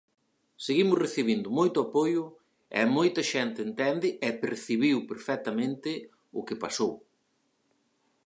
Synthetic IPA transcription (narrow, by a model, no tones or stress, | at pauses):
seɣimʊzreθiβind̪ʊmojt̪ʊapojʊ | ɛ̰mojt̪ɐʃɛnt̪ɪːnt̪ɛnd̪ɪʔɛpeɾθiβiwpeɾfɛt̪ɐmẽnt̪ɪ | ʊkɪpasow